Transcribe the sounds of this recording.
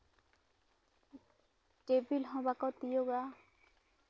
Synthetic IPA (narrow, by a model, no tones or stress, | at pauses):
tebilɦɔ̃bakɔt̪ijoɡa